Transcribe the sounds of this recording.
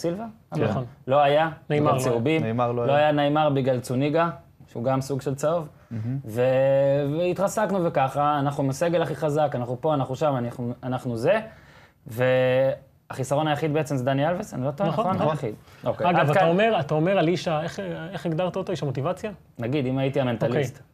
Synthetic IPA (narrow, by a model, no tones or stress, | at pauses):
silva | onlo̞ajanemaseubimnemaʁloloajanajmaʁbiɡlalt͡suniɡa | ʃeuɡamsuɡʃe̞lt͡saov | ve̞veit̪ʁasaknuvekaχaːnaχnumeaseɡelaχiχazakanaχnupo̞anaχnuʃamanaχuanaχnuze̞ | ve̞ | aχisaʁo̞najaχid̪be̞et͡semzed̪anialvesa̰nilot̪oonaaḭd̪okeaɡavtaomeʁat̪aomeʁaliʃaeχeχiɡd̪aʁt̪aot̪oiʃamot̪ivat͡sja | naɡid̪imajit̪iament̪alst̪